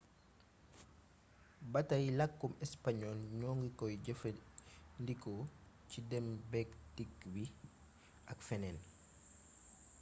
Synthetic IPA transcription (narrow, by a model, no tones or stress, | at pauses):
bɐtɐjlɐkːumɛspaɲɔlɲɔːŋɡikɔjɟəfəndikɔ | cidɛmbɛktikwi | ɐkfɛnɛn